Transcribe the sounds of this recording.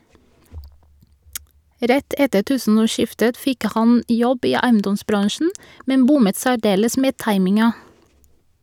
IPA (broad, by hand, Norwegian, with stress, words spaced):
ˈɾɛt ˈɛtə ˈtʉːsn̩ɔˌʃɪftət ˈfɪk ˈhɑn ˈjɔb ˈiː ˈæɪənˌdɔsˌbɾɑŋʃɳ̩ ˈmɛn ˈbʊmət sæˈɖeːləs ˈmeː ˈtɑɪmɪŋɑ